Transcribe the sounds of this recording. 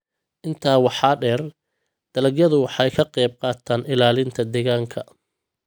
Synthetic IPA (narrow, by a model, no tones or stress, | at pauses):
ʔɪnt̪ʰaːwɑħɑːɖɛːr | d̪̥ɐlɐɣjɐðʊwɑħɑjkʰɐqɛjb̚qɑːt̪ʰaːnɪlaːlɪnt̪ʰɐd̪ɛːɣaːŋkʰɐ